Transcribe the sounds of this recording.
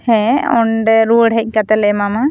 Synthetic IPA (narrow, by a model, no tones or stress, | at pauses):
hɛ̃ɔɳɖɛɾuəɽɦɛc̚ˀkat̪ɛlɛmama